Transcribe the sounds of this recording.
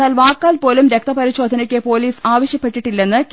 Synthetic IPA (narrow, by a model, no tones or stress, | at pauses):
aːlʋaːkːaːlpo̞ːlumɾek̚t̪ɐpɐɾiɕo̞ːd̪ʱɐnɐkʲːɨpo̞ːliːsaːʋɐɕjɐpːe̞ʈːiʈːilːe̞nːɨk